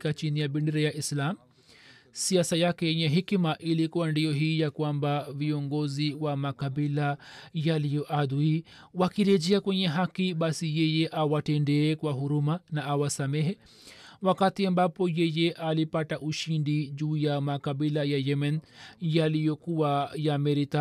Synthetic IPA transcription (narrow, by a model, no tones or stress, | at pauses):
kat͡ʃinijaɓɛndɛɾɛjaʔislam̩ | siasajakɛjɛɲɛɦikmaʔilikuwandijɔɦiːjakwambaviɔŋɡɔziwamakaɓilajalijɔʔad̪ui | wakiɾɛd͡ʒɛakwɛɲɛɦakiɓasijɛjɛʔawatɛndɛːkwaɦuɾumanaːwasamɛɦɛ | wakatiambapɔjɛjɛʔalipataʔuʃindiʄuːjamakaɓilajajɛmɛnjalijɔkuwajamɛɾita